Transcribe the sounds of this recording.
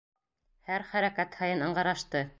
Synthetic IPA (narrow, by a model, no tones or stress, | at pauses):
hæɾχæɾækæt̪hɑjɤnɤ̆ɴʁɑɾɑʃt̪ɤ